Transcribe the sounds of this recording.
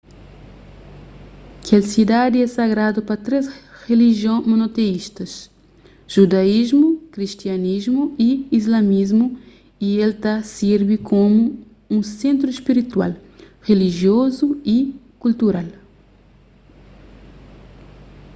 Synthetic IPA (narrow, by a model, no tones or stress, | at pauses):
kelsid̪ad̪iɛsaɡɾad̪upɐt̪ɾesreliʒjõmonot̪eiʃt̪ɐs | ʒ̥ud̪aizmukɾist̪janizmuiizlamizmu | ielt̪asiɾbikʰomu | ũsẽnt̪ɾuespiɾit̪wa̰l | reliʒjozui | kult̪uɾal